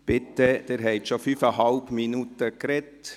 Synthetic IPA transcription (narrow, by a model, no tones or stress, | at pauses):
pɪt̪ːəd̥̪eːɾɦɛɪt̪ʃofyːfəhɑlpminut̪əkɾɛt